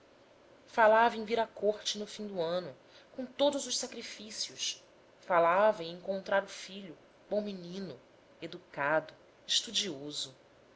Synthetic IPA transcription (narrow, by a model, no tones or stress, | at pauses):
falavẽj̃viɾɐkoɾt͡ʃɪnʊfĩd̪uɐ̃nʊ | kõw̃t̪od̪ʊzʊʃsakɾifisiʊs | falavɐẽẽŋkõnt̪ɾaɾʊfiʎʊ | bõw̃minĩnʊ | ed̪ukad̪ʊ | ɪʃt̪ud͡ʒiozʊ